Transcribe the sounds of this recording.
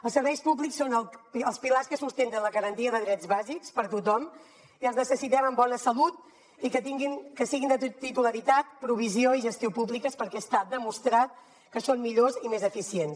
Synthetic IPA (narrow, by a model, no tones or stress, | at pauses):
əlˠsəɾβɛjspubliksːonəlˠpiəlˠspilarskəsust̪ent̪ənləɣəɾənt̪iəðəðɾɛdzβazikspəɾt̪ut̪ɔm | iəlˠznəsəsit̪ɛməmbɔnəsəlut̪̚ | ikət̪iŋɡinkəsiɣind̪ət̪it̪uləɾit̪at̪̚pɾuβ̞izioiʒəst̪iopuβlikəspəɾkɛst̪ad̪əmust̪ɾat̪̚ | kəsonmiʎozimezəfisiens